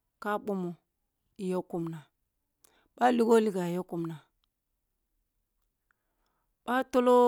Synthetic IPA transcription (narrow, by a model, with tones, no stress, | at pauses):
ka˦ɓo˦mo˨ | i˨jo˦ku˦˨mna˨ | ɓa˦li˦ɡo˦li˦ɡa˨jo˦ku˦˨mna˨ | ɓ̥a˦to˦lo˦